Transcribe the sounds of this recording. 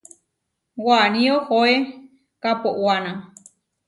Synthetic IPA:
wanĩohoe | kapoʔwanã

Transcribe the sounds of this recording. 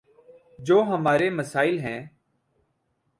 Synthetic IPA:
d͡ʒoːɦəmaːɾeːməsaːɪlɦɛ̃ː

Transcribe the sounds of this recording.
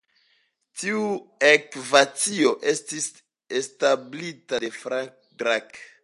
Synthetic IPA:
tiuekvat͡sio̞ʔe̞stis | establitade̞fɾaŋk̚ | dɾak

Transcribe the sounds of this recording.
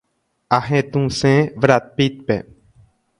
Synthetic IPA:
aɦẽt̪ũsẽʋɾat̪̚pit̪̚pe

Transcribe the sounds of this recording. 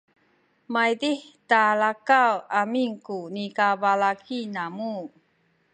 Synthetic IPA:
majdihtalakawamiŋkunikabalakʰinamu

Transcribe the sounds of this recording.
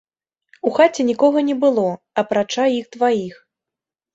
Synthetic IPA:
uxat͡sʲɛnʲikɔɣɐnʲɛbɨlˠɔ | ɐpɾat͡ʂajixt̪vajix

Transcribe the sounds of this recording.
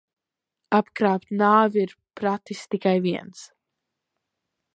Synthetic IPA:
apkɾaːpt̪naːviɾ | pɾat̪ist̪ikajviɛns

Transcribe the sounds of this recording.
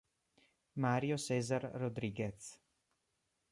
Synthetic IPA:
maːɾjosɛːzarːod̪ɾiːɡet̪s

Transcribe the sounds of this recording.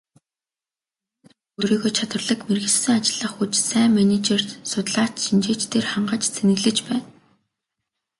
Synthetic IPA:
ɵɾiːɣoːt͡ɕʰat̪wə̆rɮə̆kmerɣɘ̆ɮsɘ̆ŋat͡ɕɪ̆ɮə̆χut͡ɕsæːmænet͡ɕer̥sʊt̪ɮaːt̪ʃint͡ɕeːt͡ɕt̪eːrχaɴɢə̆t͡ɕt͡sʰenɘ̆ɣɮɘ̆t͡ɕpæːn

